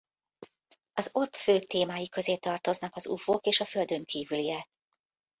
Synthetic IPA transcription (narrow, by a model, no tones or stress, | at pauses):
ɒzo̞rpføːt̪eːmaːjikø̞zeːt̪ɒrt̪o̞znɒkɒzṵfoːkeːʃɒfø̞ld̪ø̞ŋkʰiːvyliɛ